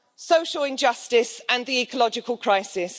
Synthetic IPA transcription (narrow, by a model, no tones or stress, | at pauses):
səʊʃəlɪ̃nd͡ʒʌstɪsə̃nðiiˑkʰəlɒd͡ʒɪkʰəlˠkʰɹ̥aɪsɪs